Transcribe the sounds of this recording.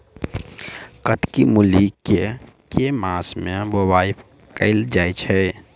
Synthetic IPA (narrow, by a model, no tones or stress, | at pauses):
kət̪kimulikkːe | kemasmẽbobaːipkəɪld͡ʒaːjt͡ʃʰɛ